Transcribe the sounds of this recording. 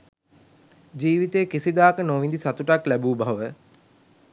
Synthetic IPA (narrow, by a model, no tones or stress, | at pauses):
d͡ʒiːʋit̪ejːkisid̪aːkənoʋind̪isat̪uʈaklæbuːbaʋə